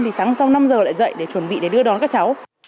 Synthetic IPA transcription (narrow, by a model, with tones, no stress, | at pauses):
nt̪i˨˩saː˨˦ŋ˧˦ŋ͡msa˧wna˧mzəː˨˩la̰ː˧˨jzə̰˧˨jɗe˧˩t͡ɕwə˧˩nɓḭ˧˨ɗe˧˩ɗɨ˧əɗɔ˨˦nkaː˦˥k̚t͡ɕa˨˦w